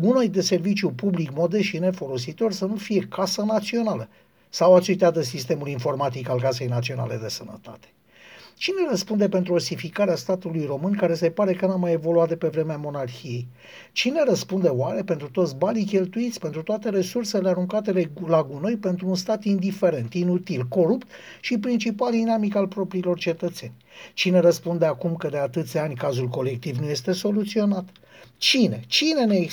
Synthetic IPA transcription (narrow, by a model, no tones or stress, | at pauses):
ɡuno̞jd̪e̞se̞rvit͡ʃjupublikmo̞d̪e̞ʃine̞fo̞lo̞sit̪o̞rʲsənufije̞kasənat̪sio̞nalə | sawat͡ʃest̪ʲad̪əsist̪e̞mulinfo̞rmat̪ikalkase̞jnat̪sio̞na̰le̞̰d̪e̞sənə̰t̪a̰t̪e̥ | t͡ʃine̞ɾəspund̪e̞pent̪ɾuosifikaɾeast̪at̪ulujro̞mɨnkaɾe̞se̞paɾe̞kənamaje̞vo̞luat̪̚d̪epe̞vɾe̞meamo̞narxije̞j | t͡ʃine̞ɾəspund̪e̞oaɾe̞pe̞nt̪ɾut̪o̞t̪sʲbanikʲe̞lt̪uit̪sʲpe̞nt̪ɾut̪oat̪e̞ɾe̞surse̞leaɾuŋkat̪e̞lelaɡuno̞jpe̞nt̪ɾuːnst̪at̪ind̪ife̞ɾe̞nt̪inut̪ilko̞ɾupt̪ | ʃipɾint͡ʃipald̪inamikalpɾo̞pɾiːlo̞rt͡ʃe̞t̪ət̪se̞nʲt͡ʃine̞ɾəspund̪eakumkəd̪e̞at̪ɨt̪sʲanʲkazulko̞lek̚t̪ivnuje̞st̪e̞so̞lut̪sio̞nat̪ | t͡ʃine̞t͡ʃine̞ne